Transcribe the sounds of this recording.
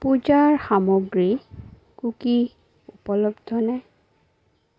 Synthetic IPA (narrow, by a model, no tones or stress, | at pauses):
pud͡ʒaɹxamɔɡɹi | kuki | upɔlɔbdʱɔnaj